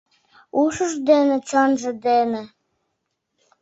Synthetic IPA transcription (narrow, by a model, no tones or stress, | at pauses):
uʃə̆ʒd̪enɘ̆t͡ɕɑnʒə̆d̪enĕ